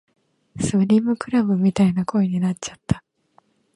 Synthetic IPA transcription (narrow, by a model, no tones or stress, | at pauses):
sɨɾʲimɯ̟kɯ̟ɾabɯ̟mʲit̪ainako̞eɲ̟inat͡ɕt͡ɕḁt̪ːḁ